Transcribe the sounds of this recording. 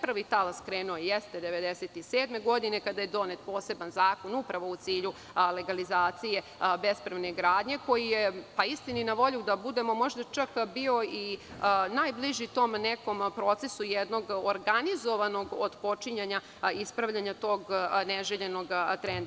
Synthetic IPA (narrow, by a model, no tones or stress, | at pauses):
pɾʋit̪alaskɾeːnuojjɛst̪ed̪e̞ʋed̪eset̪iseːd̪me̞ɡo̞d̪ine̞kad̪aje̞d̪o̞net̪̚po̞ːse̞banzaːko̞nupɾaʋo̞ut̪siːʎu | le̞ɡalizaːt̪sije̞ | bespɾeʋneɡɾaːd̪ɲe̞ko̞jijepaist̪inuinaʋo̞ʎud̪abud̪e̞mo̞mo̞ʒd̪at͡ʃakbio̞inaːjbliʒit̪o̞ːmneko̞mpɾo̞t̪se̞sujɛd̪no̞ɡoɾɡanizo̞ʋano̞ɡod̪po̞t͡ʃiɲaɲa | ispɾaʋʎaɲat̪o̞ːɡneʒeʎeno̞ɡt̪ɾend̪